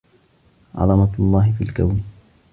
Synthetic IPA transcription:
ʕɑ̰lɑmɑlˤːɑːhɪfḭːlkawn

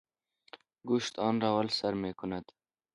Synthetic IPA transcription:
ɡuʃt̪ɑːnɾawalsaɾmeːkʊnad̪̥

